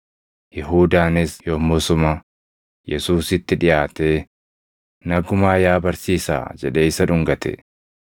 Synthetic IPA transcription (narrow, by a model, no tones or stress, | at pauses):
jɛɦuːd̪aːnɪsjoːmːʊsʊmɐ | jɛsuːsɪt̪ːɪᶑɪjaːt̪eː | nɐɡʊmaːjaːbɐɾsiːsa̰ːd͡ʒɛᶑe̞ːɪsɐᶑʊŋɡɐt̪ɛ̰